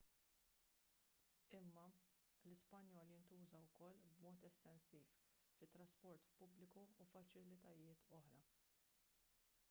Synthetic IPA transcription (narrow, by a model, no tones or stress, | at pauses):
ɪmːɐ | lɪspɐnjɔːljɪnt̪uːzɐwkɔlːbmɔːt̪ɛst̪ɛnsiːf | fɪt̪ːɾɐspɔɾt̪pʊblɪkuːfɐt͡ʃɪlɪt̪ɐjɪːt̪ʰɔħɾɐ